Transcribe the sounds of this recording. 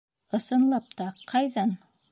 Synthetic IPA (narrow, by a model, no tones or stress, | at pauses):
ɤ̆sɤ̆nlˠɑp̚t̪ɑqɑjðɑn